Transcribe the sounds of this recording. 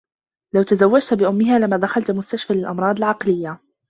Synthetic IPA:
lawt̪azawːad͡ʒt̪bɪʔʊmːɪɦaːlɪmːaːd̪axalt̪mʊst̪aʃfaːlɪlʔɑmɾˤɑːd̪ˤɪlʕɑqlɪjːa

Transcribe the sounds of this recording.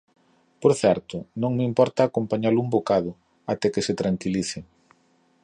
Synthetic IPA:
poɾθɛɾt̪ʊnõŋmimpɔɾt̪aːkompaɲaluŋmbokaðʊ | at̪ɛkɪsɪt̪ɾaŋkiliθɪ

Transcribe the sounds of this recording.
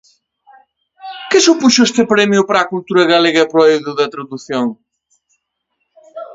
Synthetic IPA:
kɪsupuʃʊest̪ɪpɾɛmjʊpɾakult̪uɾɐɣaleɣɐpɾoewðʊðɐt̪ɾɐðuθjoŋ

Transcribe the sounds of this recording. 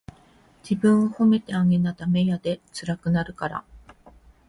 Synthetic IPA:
d͡ʑibɯ̟̃ɰ̃oho̞me̞t̪e̞aŋe̞nad̪ame̞jad̪e̞t͡sɨɾakɯ̟naɾɯ̟kaɾa̰

